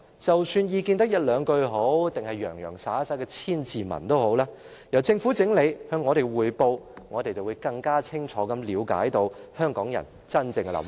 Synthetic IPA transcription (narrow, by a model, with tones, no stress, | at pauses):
t͡sɐ˨wsyː˧njiː˨˧kiː˧nt̪ɐ˥k̚jɐ˥t̚lœː˨˧ŋkɵ˧ɥɦo˨˥wt̪ɪ˨ŋhɐ˨jːœː˨˩ŋjœ̰ː˨˩ŋsaː˨˥sɐ˧˥jkɛː˧t͡sʰiː˥nt͡siː˨mɐ̰˨˩nt̪o˥who˨˥wlaː˥ | jɐ˨˩wt͡sɪ˧ŋfuː˨˥t͡sɪ˨˥ŋle˨˧jhœː˨˧ŋːɔː˨˧ɾe˨jwuː˨˩jpo˧wŋɔː˨˧t̪e˨jt͡sɐ˨˩wu˨˧˦jkɐ˧ŋkaː˥t͡sʰɪ˥ŋt͡ʃʰɔː˨˥kɐ˨˥mliː˨˧˥wka̰ː˨˥jt̪o˧whœː˥ŋkɔː˨˥ŋjɐ̰˨˩n | t͡sɐ˥nt͡sɪ˧ŋ˧lɐ̰˨˥m